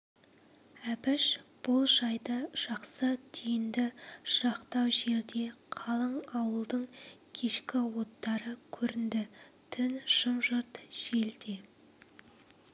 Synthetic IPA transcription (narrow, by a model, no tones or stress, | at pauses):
æpɪʃb̥ʊlˠʒɑjd̪əʒ̥ɑqsət̪ʰʏjɪnd̪ɪʃɑqt̪ɑwʒe̞ɾd̪e̞qʰɑlˠəɴɑwəlˠd̪əɴkʲʰe̞ʃkʲɪwo̞t̪ːɑɾəkʲʰɵɾɪnd̪ɪ | t̪ʰʏnʃəmʒəɾt̪ʒ̥e̞ld̪e